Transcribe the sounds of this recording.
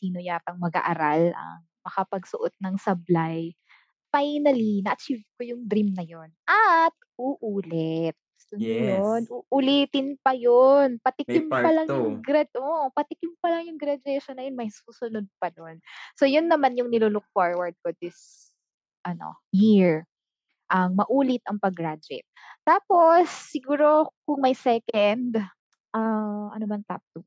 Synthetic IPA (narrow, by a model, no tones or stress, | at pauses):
siːnojaːpɐŋmɐɡa̰ːʔɐɾalɐ̰ŋ | mɐkɐpɐɡsʊʔot̪̚nɐŋsɐblaj | fajnɐlinɐʔɐt͡ʃivkojʊŋd̪ɾimnɐjo̞nʔɐt̪̚ʔuːʔuːlɛt̪̚sʊɐjonʔuʔʊliːt̪ɪnpɐjonpɐt̪ɪkɪmpɐlɐŋjʊŋɡɾɐʔopɐt̪ɪkɪmpɐlɐŋjʊŋɡɾɐd͡ʒɛʃonːɐjonmɐjsuːsʊnod̪̚pɐd̪onsojʊnːɐmanjʊŋnɪlulʊk̚foɹwɐɹd̪̚kod̪ɪs | ʔɐno̰ | hiɹ | ʔɐŋmɐʔuːlɪt̪ɐŋpɐɡɾad͡ʒɪ̰t̪̚ːaːpo̞sːɪɡuːɾo̞kʊŋmɐjsɛkɛnd̪ | ʔaʔɐ̰nomɐnt̪a̰p̚t̪ʊ